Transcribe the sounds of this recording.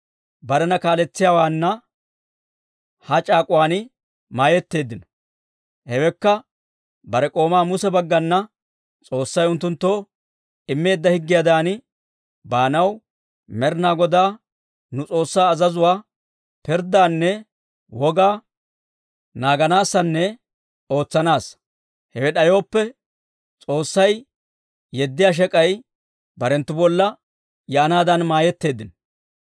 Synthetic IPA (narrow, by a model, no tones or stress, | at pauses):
bɐɾɛnɐkaːlɛt͡sːɪjaːwaːnːɐ | hɐt͡ʃʼaːkʼʊwaːnɪ | maːjɛt̪ːe̞ːd̪ːɪnɔ̥ | hɛwɛkːɐ | bɐɾɛkʼo̞ːmaːmʊsɛbɐɡːɐnːɐ | t͡sʼo̞ːsːɐjʊnt̪ːʊnt̪ːoː | ɪmːe̞ːd̪ːɐhɪɡːɪjad̪aːnɪ | baːnɐw | mɛɾnaːɡɔd̪aː | nʊt͡sʼo̞ːsːaːzɐzʊwaː | pɪɾd̪aːnːɛ | wɔɡaː | naːɡɐnaːsːɐnːɛ | o̞ːt͡sːɐnaːs | hɛwɛɗɐjo̞ːpːɛ | t͡sʼo̞ːsːɐj | jɛd̪ːɪjaːʃ̬ɛkʼɐj | bɐɾɛnt̪ːʊbɔlːɐ | jɛʔɐnaːd̪ɐnmaːjɛt̪ːe̞ːd̪ːɪn